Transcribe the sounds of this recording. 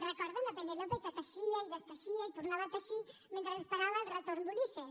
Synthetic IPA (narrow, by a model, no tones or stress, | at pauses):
rekoɾðelapenelopek̪at̪aʃiaiðeskaʃiait̪uɾnaβat̪aʃimẽnt̪ɾasespaɾaβaelret̪oɾnd̪ulise